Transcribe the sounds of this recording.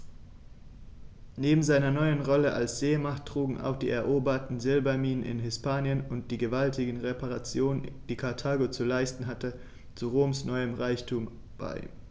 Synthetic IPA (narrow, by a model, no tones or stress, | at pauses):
neːbm̩zaɪnɐnɔʏənʁɔləʔalsz̥eːmaχttʁ̥uːɡŋ̩ʔa̰ʊxd̥ḭːɛɐʔoːbɐtn̩zɪlbɐmiːnənɪ̰nɦɪspaːnjənʊnt̚d̥iːɡəvaltɪɡəŋ̩ʁepaʁat͡sjoːnənd̥iːkʰaɐtʰaːɡot͡sulaɪstn̩ɦatə | t͡suʁoːmsnɔʏəmʁaɪçtʰuːm | b̥a̰ɪ